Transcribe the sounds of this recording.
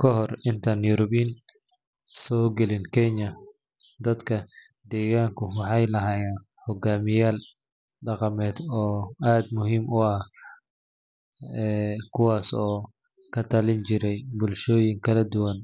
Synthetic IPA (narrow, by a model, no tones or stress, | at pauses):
kʰɔɦɔrɪnt̪ʰanjuɾɔβin | sɔːɡɐlɪnkʰɛɲɐ | d̪ɐd̪kʰɐd̪ɛːɣaːŋkʰʊwɑħɑjlɐɦaːjan | hɔɡaːmɪjaːl | ɖɑqɑmɛːd̪ɔːaːd̪mʊɦiːmʔʊɐ | ɛːkʰʊwaːsɔː | kʰɐt̪ʰɐlɪnt͡ʃɪɾɛjbʊlʃɔːjɪŋkʰɐlɐd̪ʊwɐn